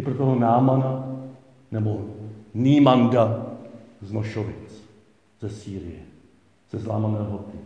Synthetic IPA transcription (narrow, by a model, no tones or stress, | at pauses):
ɪpɾot̪oɦonaːmana | nɛboniːmaŋda | znoʃovɪt͡s | z̥ɛsiːɾɪjɛ | z̥ɛzlaːmanɛːɦot̪ɪ